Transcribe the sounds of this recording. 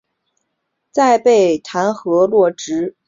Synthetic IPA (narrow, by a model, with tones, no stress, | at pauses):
t͡sa˥˧ɪpe˥˩ɪt̪ʰa˧˥nxɤ˧˥lwɔ˥˩ʈ͡ʂɻ̩˧˥